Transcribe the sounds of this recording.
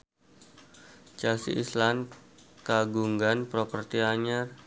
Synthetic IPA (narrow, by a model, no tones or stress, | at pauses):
t͡ʃasḭʔislankaɡuŋɡanpɾopərt̪iaɲar